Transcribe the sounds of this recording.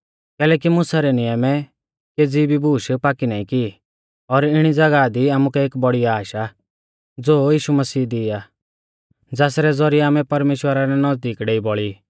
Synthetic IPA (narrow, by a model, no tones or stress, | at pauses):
kɛːlɛːkimʊsaɾɛnɪjəmɛ | keːd͡zibibuːʃpaːkinãːĩki | ɔɾɪɽ̃id͡zɐɡad̪iaːmukɛeːkbɔɽiaːʃa | d͡zoːjiːʃumɐsiːd̪ɪa | d͡zaːsɾɛd͡zɔɾiaːmɛ̃pɐɾmeːʃwəɾaɾɛnɐzd̪iːkɖeːibɔɭiː